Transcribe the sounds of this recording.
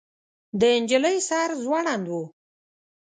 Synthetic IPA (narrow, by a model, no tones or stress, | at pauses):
d̪əɪnd͡ʒələjsɑɾzwɑɽand̪wu